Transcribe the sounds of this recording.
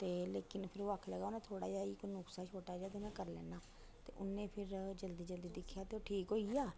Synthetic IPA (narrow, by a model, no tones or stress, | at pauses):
t̪eːleːkɪnpʰɪɾʋəkʰləɡaːnẽːt̪ʰoːɽa̰ːd͡ʒaːiːkonʊksaːt͡ʃʰoːʈaːd͡ʒaːt̪eʊnãːkəɾlɛ̰ːnaː | t̪ḛːʔʊnẽːpʰɪɾd͡ʒəld̪iːd͡ʒəld̪iːd̪ɪkʰːjaːt̪eːoːʈʰiːkɦoːiaː